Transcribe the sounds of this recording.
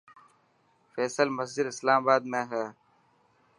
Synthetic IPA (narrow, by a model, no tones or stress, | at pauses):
fɛːsəlməsd͡ʒɪd̪ɪslaːmabaːd̪mẽːɦɛː